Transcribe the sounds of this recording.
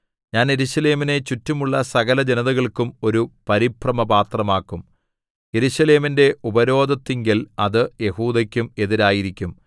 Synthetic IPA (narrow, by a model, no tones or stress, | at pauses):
ɲaːnje̞ɾuɕɐle̞ːmine̞t͡ɕutːumuɭːɐsɐɣɐlɐd͡ʑe̞nɐðɐɣɐɭkumo̞ɾupɐɾiprɐmɐbaːt̪rɐmaːkːum | je̞ɾuɕɐle̞ːminde̞ʔubɐɾo̞ːd̪ɐt̪ːiŋɡilɐðɨje̞huːd̪ɐkʲːume̞ðiɾaːjiɾikʲːum